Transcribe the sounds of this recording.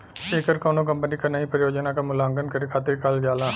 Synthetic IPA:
eːkəɾkoːnõk̬ɐmpənikanɐipɾɐjoːd͡ʒnakamʊlãːŋɡənkɐɾikʰaːt̪ɪɾkaːld͡ʒaːlãː

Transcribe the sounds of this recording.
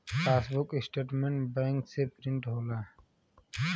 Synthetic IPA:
feːsbʊkɪsʈeːʈmeɳʈbẽːŋksepɾɪ̃ɳʈɦoːlaː

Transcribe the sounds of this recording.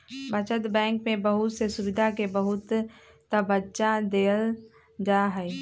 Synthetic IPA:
bət͡ʃət̪bɛ̃ːŋkmẽbəɦʊt̪sesʊʋɪd̪ʱakebəɦʊt̪ː | əbət͡ʃad̪eːl | d͡ʒaːɦɛɛ

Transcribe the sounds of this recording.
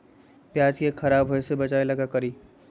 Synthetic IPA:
pjaːd͡ʒkekʰɐɾaːbɦojsebət͡ʃaːeləɡakəɾiː

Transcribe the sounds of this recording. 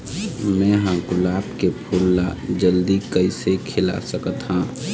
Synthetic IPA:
mɛ̃ːɦãɡʊlaːbkepʰulːad͡ʒəld̪ikəɪsekʰɪla̰səkət̪ɦã

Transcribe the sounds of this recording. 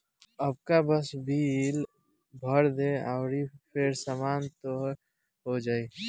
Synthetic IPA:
əb̚kabəsbʱil | bʱəɾd̪ẽaʊɾipʰeɾsaːmaːnt̪o | ɦod͡ʒaːi

